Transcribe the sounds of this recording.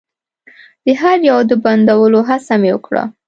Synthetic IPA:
d̪̥əɦaɾjawd̪əband̪awəloɦasamewə̰kɽa̰

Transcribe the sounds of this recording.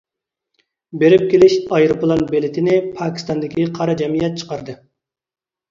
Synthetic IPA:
beɾɪp̚kʲelɪʃɑjɾɨplˠɑnbelɪt̪ʰɪnɪpʰɑːkʲi̥st̪ɑnd̪ɪkʲiqʰɑɾɑd͡ʒɛmijɛt̪̚t͡ʃʰə̥qɑɾd̪ɨ

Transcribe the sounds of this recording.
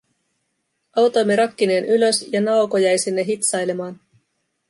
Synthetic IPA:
ɑwt̪o̞jmːeɾɑkːine̞ːnyløsjɑnɑwkojæjsinːeɦit̪sɑjle̞mɑːn

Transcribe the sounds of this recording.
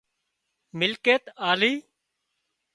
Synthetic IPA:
mɪlkeːt̪aːliː

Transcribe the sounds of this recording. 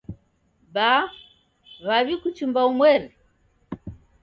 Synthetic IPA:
ba | βaβikut͡ʃimbaumwɛɾɛ

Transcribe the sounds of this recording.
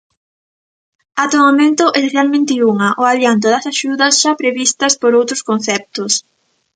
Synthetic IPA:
at̪omamẽnt̪ʊʔeseθjalmẽnt̪ɪuŋɐʔoaβjant̪̬ʊðɐsaʃuðɐsʃapɾeβist̪ɐspoɾowt̪ɾʊ̥skon̟θɛp̚t̪ʊs

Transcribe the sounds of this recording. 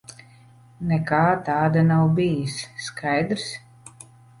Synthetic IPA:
nɛkaːt̪aːd̪anawbʲijisːkʰajd̪ɾs

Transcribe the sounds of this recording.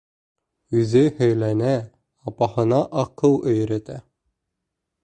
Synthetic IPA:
ʉzɘhɵ̆jlænæ | ɑpɑhɤ̆nɑʔɑqɤwˠɵ̆jɾæt̪æ

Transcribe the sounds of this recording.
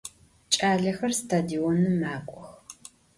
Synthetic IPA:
t͡ʃʼaːɮɐxɐrstʰaːdiɔnɨmaːkʷʼɔx

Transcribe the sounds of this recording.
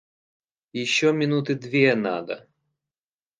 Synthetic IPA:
jɪɕːɔmʲɪnut̪ɨd̪vʲena̰d̪ɐ̰

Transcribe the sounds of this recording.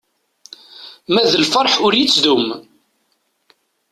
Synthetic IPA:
mæðəlfəɾˤħʊɾjit͡sːd̪um

